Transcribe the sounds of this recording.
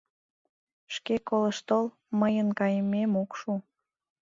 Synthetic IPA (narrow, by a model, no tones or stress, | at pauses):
ʃkekoləʃt̪ol | məjənkɑjəmemokʃu